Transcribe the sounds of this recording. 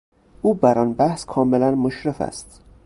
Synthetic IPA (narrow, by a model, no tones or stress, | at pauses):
ʔuːbæɾɒnbæhskʰɒːmelænmoʃɾefæ̰st̪